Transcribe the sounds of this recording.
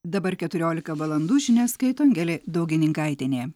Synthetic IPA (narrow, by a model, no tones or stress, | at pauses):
d̪ɐbɐɾkʲɛt̪ʊɾʲoːlʲɪkɐʋɐlˠɐnd̪uːʒʲɪnʲɛːskɐɪt̪oɐŋʲɡʲɛlʲeːd̪ɒʊɡʲɪnʲɪŋkɐɪt̪ʲɪnʲeː